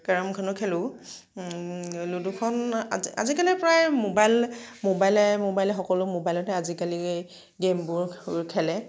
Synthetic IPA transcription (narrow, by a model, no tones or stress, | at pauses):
kaɹɔmkʰɔnɔkʰɛlʊ̃ | ludukʰɔna̰a̰zikalipɹajmobajlmobajlɛmobajlɛxɔkɔlʊmobajlɔtɛazikali | ɡembʊɹɹkʰɛlɛ